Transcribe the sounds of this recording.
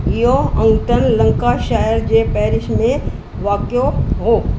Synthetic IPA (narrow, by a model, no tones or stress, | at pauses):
ɪɦoɐ̃ŋɡt̪ənlɐ̃ŋkaʃaːəɾd͡ʑeːpɛːɾɪʃmẽ | ʋaːkjoɦoː